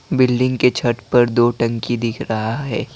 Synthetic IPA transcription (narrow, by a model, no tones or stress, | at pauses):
bɪlɖɪ̃ŋɡket͡ʃʰɐʈpɐɾd̪oːʈɐ̃ŋkid̪ɪkʰɾɐɦaɦɛː